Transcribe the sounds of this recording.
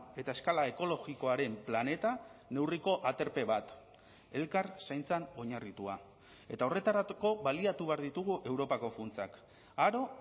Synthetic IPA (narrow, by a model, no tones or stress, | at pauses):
e̞t̪ae̞skalaeko̞lo̞ɣiko̞aɾe̞mplane̞t̪ane̞wriko̞ʔat̪e̞ɾpe̞βat̪ | e̞lkarsajnt͡sano̞ɲarit̪ua | e̞t̪ao̞re̞t̪aɾako̞βaliat̪uβe̞aɾðit̪uɣ̞uʔe̞wɾo̞pako̞funt͡sa̰k | aɾo̞